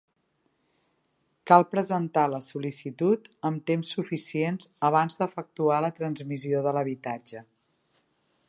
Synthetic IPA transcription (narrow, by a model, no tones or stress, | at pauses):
kalˠpɾəzənt̪aləsulisit̪ut̪əmt̪emsːufisienzəβ̞anzd̪əfək̚t̪ualət̪ɾənzmizioðələβ̞it̪ad͡ʒə